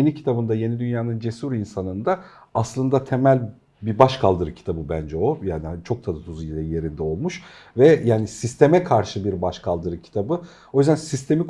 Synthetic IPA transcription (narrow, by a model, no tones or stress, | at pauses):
enicʰit̪ʰabɯnd̪aje̞nid̪ynjaːnɯnd͡ʒe̞suɾinsanɯnd̪a | aslˠɯnd̪at̪ʰe̞mælʲ | biɾbaʃkʰalˠd̪ɯɾɯcʰi̥t̪ʰabɯbænd͡ʒɛo̞jaːnit͡ʃʰo̞k̚t̪ʰad̪at̪ʰuzujʲeje̞ɾind̪ɛo̞lˠmuʃ | vɛjaːnisist̪ʰe̞mɛkʰaɾʃɯbiɾbaʃkʰalˠd̪ɯɾɯcʰi̥t̪ʰabɯ | o̞jyzd̪ænsist̪ʰe̞mik